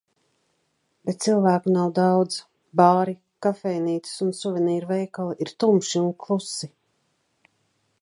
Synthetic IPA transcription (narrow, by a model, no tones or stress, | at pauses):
b̥et̪̚t̪silˠvæːkunawd̪awd̪z | baːɾi | kafɛjniːt̪i̥sunsuvʲɛniːɾvɛjkalˠiʔiɾt̪umʃiunklˠusi